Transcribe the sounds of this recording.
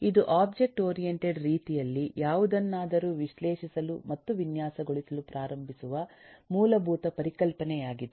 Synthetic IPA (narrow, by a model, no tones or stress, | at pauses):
id̪uʔaːb̚d͡ʒe̞k̚ʈoːɾijeɳʈeɖɾiːt̪ijɐlːijaːʋud̪ɐnːaːd̪ɐɾuːʋiʃleːʃisɐlumɐt̪ːuʋinjaːsɐɡoɭisɐlupɾaːɾɐmbʱisuʋɐmuːlɐbʱuːt̪ɐpɐɾikɐlpɐnɛjaːɡid̪u